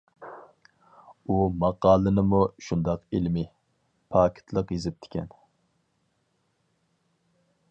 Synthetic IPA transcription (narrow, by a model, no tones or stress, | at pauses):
umɑqɑːlˠɨnɨmuʃund̪ɑqilmi | pʰɑːkʲʰɪ̥t̪ʰlˠəqjizɪp̚t̪ʰɪ̥kʲʰɛn